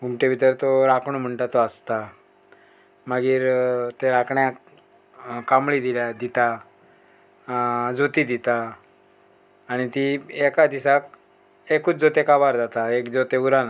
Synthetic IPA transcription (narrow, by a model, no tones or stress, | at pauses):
ɡumʈeʋit̪əɾt̪oɾakʰɳom̤əɳʈat̪oəst̪a | məɡiːɾt̪eɾakʰɳja | kamɭid̪iljad̪it̪a | d͡zot̪id̪it̪a | ɽ̃it̪iekad̪isak | ekuːt͡sd͡zot̪ekabaɾd͡zat̪aekd͡zot̪euɾana